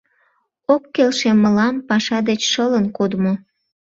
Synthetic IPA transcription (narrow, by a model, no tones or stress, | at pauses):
okːelʃeməlɑmpɑʃɑd̪et͡ɕʃələnkod̪mo